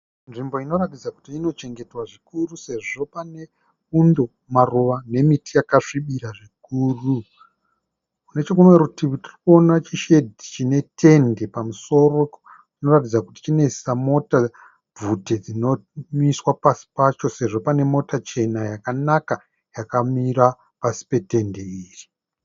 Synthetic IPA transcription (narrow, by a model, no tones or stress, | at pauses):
nʐimbo̞ino̞ratid͡zaku̥tiːno̞t͡ʃe̞ŋɡe̞twaʐikuruse̞ʐo̞pane̞ | undo̞ | maruʋane̞mitijakaʂiɓiɾaʐik̚uːru | kune̞t͡ʃe̞kunwerutiwitiriko̞nat͡ʃiʃe̞dʱit͡ʃine̞tʰe̞nde̞pamuso̞ro̞ | tino̞rat̬id͡zakuti̥t͡ʃine̞samo̞ta | b͡vuted͡zino̞miswapasi̥pat͡ʃo̞se̞ʐo̞pane̞mo̞tat͡ʃe̞najakanaka | jakamira | pasi̥pe̞te̞nde̞iːri